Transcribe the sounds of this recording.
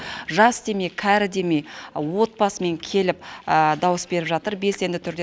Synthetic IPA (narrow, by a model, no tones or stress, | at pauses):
ʒɑsd̪e̞me̞kʲʰæɾɪd̪e̞me̞wo̞t̪̚pɑsəme̞ŋkʲʰe̞lɪp̚d̪ɑwəsbe̞ɾɪpʒɑt̪əɾbe̞se̞nd̪ɪt̪ʰʏɾd̪e